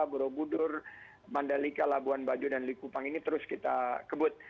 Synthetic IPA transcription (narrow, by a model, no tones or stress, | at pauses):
abəɾobudʊr | mandalikalabuanbad͡ʒudanlikupaŋinit̪əɾʊskit̪akəbʊt̪̚